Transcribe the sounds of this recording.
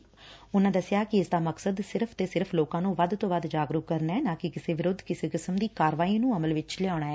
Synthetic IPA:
ʊnãːd̪əsɪjaːkɪɪsd̪aːməksəd̪sɪɾpʰt̪eːsɪɾpʰloːkãːnũːʋəd̪t̪õːʋəd̪d͡ʒaːɡɾuːkːəɾnaːɛːnãːkɪkɪseːʋɪɾʊd̪ʱːkɪseːkɪsəmd̪iːkaːɾʋaːiːnũːəməlʋɪt͡ʃleaːɽ̃aːɛː

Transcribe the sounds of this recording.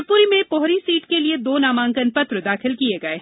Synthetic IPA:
puːɾimẽpɔɦɾisiːʈkelied̪oːnaːmãːŋkənpɐt̪ɾd̪aːxɪlkieɡɐeː

